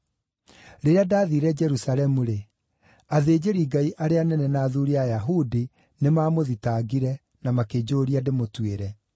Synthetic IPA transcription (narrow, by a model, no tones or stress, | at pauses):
ɾeɾeadaðiɾɛd͡ʒɛɾusalɛmuɾe | aðeːd͡ʑeɾiːɡaiʔaɾeanɛnɛnaːðuɾiajaɦudi | nemaːmoðitaɡiɾɛ | namaked͡ʑoɾiademotweɾɛ